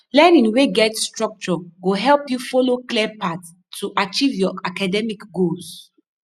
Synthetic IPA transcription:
lɛnĩŋweɡɛtstɹɔk̚t͡ʃɔɡoɦɛlpjufɔloklɛpʰatʰː | uʔat͡ʃivjɔakadɛmikɡols

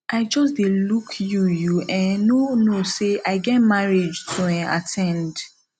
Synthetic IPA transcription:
ʔaɪd͡ʒɔs̬delukʰjujuɛ̃nonoseʔaɪɡɛt̚maɹid͡ʒtʰuɛ̃na̰tʰɛ̃nd

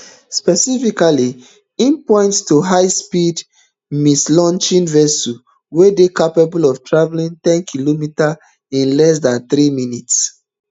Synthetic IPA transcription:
spɛsifikali | ĩnpɔ̃ɪ̃ntstuɦaɪspid | mislɔ̃nt͡ʃĩnvɛsu | wedekapabulɔvtʰɹavlĩntɛ̃nkʰilomita | ĩnlɛs̬dãnθɾiminits

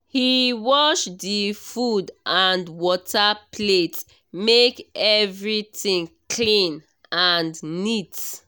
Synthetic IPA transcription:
hiwɔʃdifudʔãndwɔtʰapʰlet | mekɛvɹitĩnkʰlĩn | ãndnit

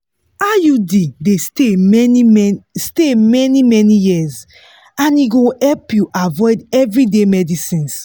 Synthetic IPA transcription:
ajudidesteistemɛnimɛnijiz | ãniɡohɛlpjuʔavɔɪdɛvɹidemɛdisĩns

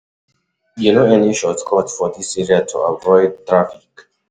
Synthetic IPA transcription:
junoɛniʃɔtkʰɔtfɔdisɛɹiatʰṵavɔɪd̚t̪ɹafik

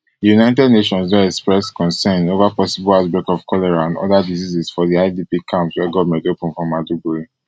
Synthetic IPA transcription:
djunaɪtɛdneʃɔ̃nswɛɛkspɹɛskɔ̃nsɛ̃novapɔsibɔlaʊtbɛkɔv̥kʰɔlɛɹaãnɔ̰dadizizisfɔðiaɪdipikʰãmpswɛɡɔvmɛ̃ntopɔ̃nfɹɔ̃mːadubuɹi

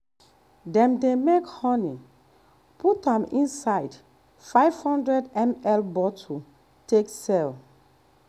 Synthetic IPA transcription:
dɛ̃mdemekhɔni | putãmĩnsaɪd | faɪv̥hɔ̃ndɹɛdɛ̃mɛlbɔtʰu | teksɛl

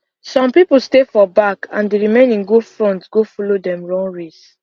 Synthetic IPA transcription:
sɔ̃mpipl̩stefɔbakã̰ndeɹimẽnĩnɡudfɹɔ̃ntɡ̥ofɔlodɛ̃mɹɔ̃ŋɹes

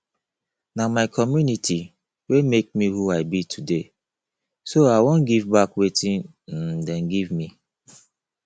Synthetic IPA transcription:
namaɪkʰɔmjunitʰi | wemek̚mihuaɪbitʰude | soaɪwõnɡivbakwetʰĩn̩ | dɛ̃nɡivmi

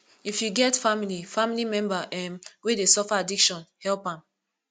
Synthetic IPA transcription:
ifjuɡɛtfamilifamilimɛ̃mbaɛmwedesɔfaadikʃɔ̃nhɛlpãm

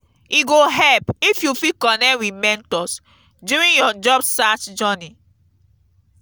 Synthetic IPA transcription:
iɡoɦɛpifjufikɔnɛwimɛ̃ntɔs | duɹĩnjɔd͡ʒɔbstatd͡ʒɔni

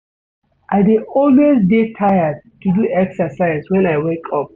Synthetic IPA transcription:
ʔaɪdeɔlwesdetʰajəd̚tuduɛksəsaɪzwɛ̃naɪwekʰɔp̚

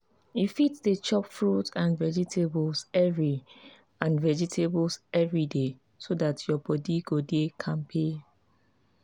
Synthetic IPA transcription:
jufitdət͡ʃɔpfɹutãnvɛd͡ʒitʰeblsɛvɹi | ãnvɛd͡ʒitʰeblsɛvɹide | sodatʰjɔbɔdiɡodekʰãnpʰe

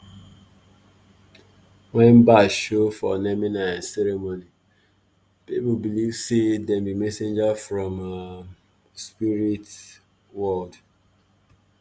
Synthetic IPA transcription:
wɛ̃nbaʃofɔ̰nɛminãnsɛɾemoni | pipubilivsedɛ̃mbimɛsẽnd͡ʒafɹɔ̃m | spiɹit | wɔld

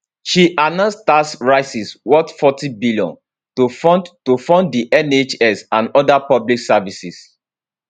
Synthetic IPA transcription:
ʃiʔanãnstasɹaɪsiswɔtfɔtibiliɔ̰̃n | tofɔdtofɔ̃nddiʔɛnet͡ʃɛsãnɔdapɔbliksavisis

